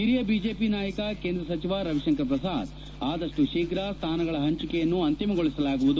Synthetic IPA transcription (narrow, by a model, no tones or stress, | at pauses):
ɦiɾijɐbiːd͡ʒeːpinaːjɐkɐkeːnd̪ɾɐsɐt͡ʃiʋaːɾɐʋiʃɐŋkɐɾpɾɐsaːd̪ | aːd̪ɐʂʈuʃiːkɾaːst̪ʰaːnɐɡɐɭɐɦɐɲt͡ʃukɛjɐnːuɐnt̪imɐɡoɭisɐlaːɡuʋud̪u